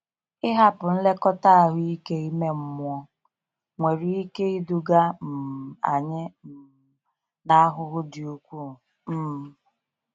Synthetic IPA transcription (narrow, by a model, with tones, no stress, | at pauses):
ɪ˦ɦa˦pʊ˨n̩˦le˦kɔ˦ta˦a˦ɦʊ˦i˦ke˦i˦me˦m̩˦mʊ˦ɔ˦ | ŋʷe˨ɾi˨i˦ke˦i˦du˦ɡa˦m̩˨a̰˨ɲɪ˦m̩˨ | na˦a˦ɦʊ˦ɦʊ˦dɪ˨u˨kʷu˦˨ | m̩˦m˨